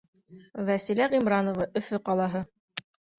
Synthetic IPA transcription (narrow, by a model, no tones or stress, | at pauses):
væsilæʁimɾɑnŏvɑʔɵ̆fɵqɑlˠɑɦɤ